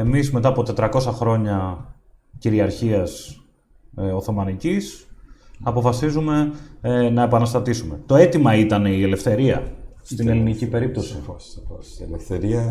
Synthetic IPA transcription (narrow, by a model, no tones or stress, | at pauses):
e̞mizme̞t̪ɐːpo̞t̪e̞t̪ɾɐko̞sɐxɾo̞ɲɐ | ciɾiɐɾçiɐs | o̞θo̞mɐnicis | ɐpo̞fɐsizume̞ | nɐe̞pɐnɐst̪ɐt̪isume̞t̪o̞e̞t̪imɐit̪ɐneie̞le̞fθe̞ɾiɐ̰st̪ine̞linicipe̞ɾip̚t̪o̞si | lefθeɾiɐ